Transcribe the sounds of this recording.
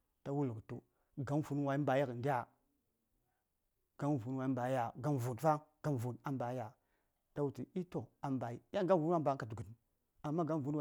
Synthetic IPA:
ta˦wu˦lu˨ktu˦ | ɡa˨˦n˦fu˦nwa˨i˦mba˨ja˦ɣə˨ndi˦a˨ | ɡ̥a˦nvu˨˦n˦wa˨i˦mba˨˦ja˨ɡa˦n˨vu˨tfa˦ɡ̥a˦n˨vu˨na˦mba˨˦ja˨ | ta˦wu˦ti˨i˦to˨a˨mba˨i˦ja˦ɡa˦vu˦a˦mba˨˦ka˨du˨ɡu˨ | a˨mːa˦ɡa˦n˦vu˦n˦a˨

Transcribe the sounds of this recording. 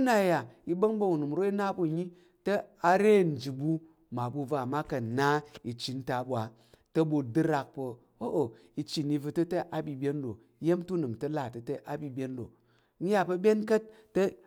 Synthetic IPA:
na˨ja˨i˦bɐ˦ŋbɐ˦u˨nu˨m˨ɾo˦i˦na˦bu˦˨ɲi˦ | tɐ˦a˧ɾe˦˨n̩˨d͡ʒi˨bu˧ | ma˨bu˧va˦˨ma˦kɐ˨na˦i˨t͡ʃːi˨n̩˦ta˨bʷa˨ | tɐ˦bu˧dɨ˦ɾa˧k̚pɐ˨ | o˦ʔo˨ | i˧t͡ʃːi˨ni˧vɨ˧tɐ˦tɐ˦ʔa˨bʲi˧bʲe˦n˦do˨˦je˦mtu˦nɨ˨mtɐ˦la˨tɐ˨tɐ˦ʔa˨bʲi˧bʲe˦ndo̰˨˦ | n̩˦ja˦pɐ˧bʲe˦nkɐ˦t̚ːɐ˦

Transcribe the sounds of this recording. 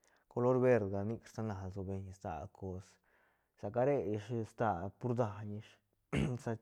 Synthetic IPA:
ko˧lo˦ɾbe˧ɾd̪ɡa˧ni˦˧kɾsa˦na˨lzo˧be˧ɲ˧st̪a̰˧˨kʰo˧s | sa˨ka˦ɾe˦ji˧ʂst̪a˧˨pu˦ɾd̪a˧ɲi˧ʂ | sa˧

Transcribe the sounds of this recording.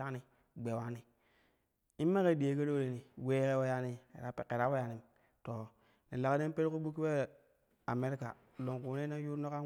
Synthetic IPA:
a˦ni˦˨ | ɡ͡be˨wa˦ni˨ | i˦m˦mːa˦ke˦˨di˨e˨˦ke˦ɾo˦ɾe˨ni˨we˦ke˦we˦ja˦nḭ˦˨a˦˨ke˨ɾa˦we˦ja˨ni˨m | to˨ | ni˨la˨kde˦n˦pe˦ɾku˦bu˦kːi˦e˦ | a˨me˦ɾi˦ka̰˨ | lo˨ŋku˨ne˦na˦ju˦ɾno˦ka˦

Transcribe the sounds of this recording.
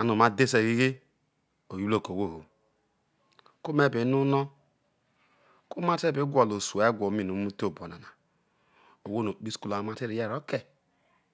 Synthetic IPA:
a˨nu˨ma˦de˦se˨ɣi˦ɣe˦ | o˨ju˦lo˦˨ko˨wo˦˨ho˨ | ku˦me˦˨be˨˦nu˦nɔ˦ | ku˦ma˦te˦be˨˦ɡʷa˨lo˨su˨e˦ɡʷo˨˦mi˨nu˨˦mu˦to˨bo˨na˨na˨ | o˨wo˦no˨k͡pi˦sku˦la˨˦ma˦te˦ɾi˨je˦˨ɾo˦ke˨

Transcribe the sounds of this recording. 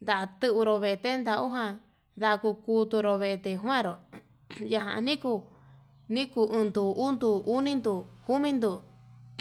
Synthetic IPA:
nd̪a˧˨ʔt̪ɨ˦ʔu˧ɾo˧βe˧˨e˧t̪e˦nd̪a˧u˦ɦã˧ | ða˧ku˧ku˧t̪u˧ɾo˧βe˧ʔe˧t̪e˧ɦwã˦˨ɾo˨ | ja˧ɦã̰˨ʔnĩ˦ku˧ | nĩ˦ku˧ʔɨ̃˧nd̪u˧u˦nd̪u˧u˦nĩ˦nd̪u˧ku˦mĩ˦nd̪u˧˨

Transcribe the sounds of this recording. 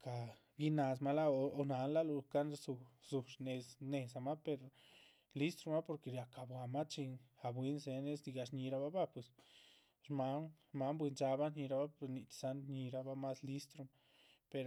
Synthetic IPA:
ka˨ | ɡi˦na˧s̬ma˦la˦o˧o˧na˨˦nla˦lu˧ka˦nɾzu˧z̥u˨ʂne˧sne˧˨sa˨ma˦pe˧ɾ | li˦st̪ɾo˧ma˦po˧ɾke˧ɾja˨ka˧˨bwa˨ma˦t͡ʃi˧na˧˨bwi˦nse˧ne˦sd̪i˧ɡa˧ʂɲi˧ɾa˧ba˦ba˦pwe˨s | ɾma˧˦n | ma˧˦mbwi˧nt͡ʃa˧ba˦ɲi˧ɾa˧ba˦pe˧ni˧t͡ʃ̪sa˦nɲi˧ɾa˧ba˦ma˦sli˦st̪ɾo˧ma˦ | pe˧ɾ

